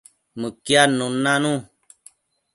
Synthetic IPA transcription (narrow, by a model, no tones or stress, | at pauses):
mɨ̃kjanũnãnũ